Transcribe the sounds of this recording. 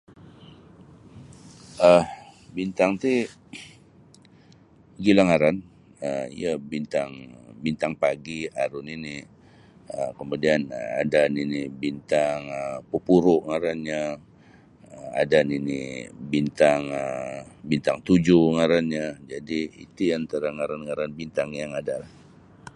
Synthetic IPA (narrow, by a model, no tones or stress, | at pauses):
əhbint̪aŋt̪i | ɡilaŋaɾan | əḭjəbint̪aŋbint̪aŋpaɡiaɾʊnini | əkəmudianəa̰daninibint̪aŋəpupuɾʊʔŋaɾanɲa | əa̰daninḭbint̪aŋəbint̪aŋt̪ud͡ʒuŋaɾanɲad͡ʒadiḭt̪uant̪aɾaŋaɾanŋaɾanbint̪aŋjaŋadalah